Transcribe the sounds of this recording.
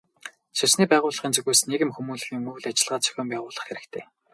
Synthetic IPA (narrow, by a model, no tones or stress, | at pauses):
ʃasniːpæːʁʊːɮə̆χiːnt͡sɵɣujsneɣɘ̆mxumuːɮxiːŋmɵɣɮat͡ɕɪ̆ɮʁaːt͡sʰœ̥xʲʊ̆ːmpæːʁʊːɮə̆χxeɾɘ̆kt̪ʰeː